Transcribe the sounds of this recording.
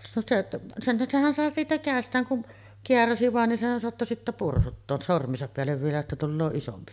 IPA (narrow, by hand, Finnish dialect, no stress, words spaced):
no se senhæn sehæn sɑˑe siːtæ kæˑestˑæːŋ kun keæræsi ʋɑˑen ni sehæn soɑtːo sitːæ pursutːoːs sormˑiːsɑp peælːeʋ ʋielæ etːæ tulːoː isompi